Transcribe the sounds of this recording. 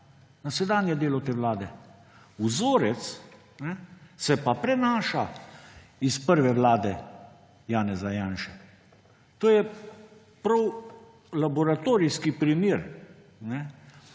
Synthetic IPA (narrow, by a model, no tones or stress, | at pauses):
nasɛd̪aːnjɛd̪eːlɔt̪eːʋlaːd̪ɛ | uzoːɾɛt̪s | nɛsɛpapɾɛnaːʃa | ispəɾʋɛʋlaːd̪ɛ | jaːnɛzajaːnʃɛ | t̪oːjɛ | pɾɐw | labɔɾat̪oːɾiskipɾimiːɾ | nɛ